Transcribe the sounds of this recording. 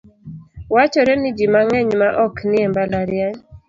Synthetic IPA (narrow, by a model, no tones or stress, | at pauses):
wat͡ʃɔɾɛnɪd͡ʒimaŋɛɲmaʔɔknɪɛmbalaɾɪaɲ